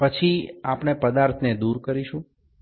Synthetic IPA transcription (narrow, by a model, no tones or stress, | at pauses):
pət͡ʃʰiapɽ̃epəd̪aɾt̪ʰned̪uɾkəɾiʃũ